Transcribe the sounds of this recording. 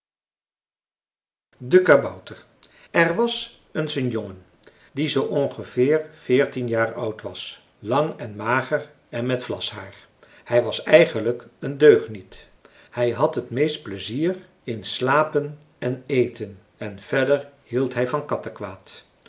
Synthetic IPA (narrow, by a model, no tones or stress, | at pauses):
dəkabɔwtəɹ | ɛrʋɑs | ənsənjoŋən | dizowʔɔnχəv̥ɪːɹfɪːɹtinjaːɹʌwtʋɑs | lɑŋɛnmaːχər | ɛnmɛtflɑ̰sɦaːɹ | hɛjʋɑsɛjχənləkəndøɥχnit | hɛjɦɑtɦətmejst̚pləziːɹ | ɪnslaːpən | ɛnejtʰən | ɛnv̥ɛɹdəɹhilˠtɦɛjvɑnkɑtəkʋaːt